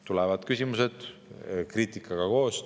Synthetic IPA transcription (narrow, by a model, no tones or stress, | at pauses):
t̪ulɛvɑd̪̥kysʲimuse̞d̪̥kriːt̪ʲˑikʰˑːɑɡ̥ɑko̞ːs